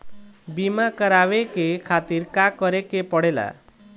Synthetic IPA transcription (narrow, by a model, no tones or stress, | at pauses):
bimakʌɾawekekʰat̪irkakʌɾekepʌɽela̰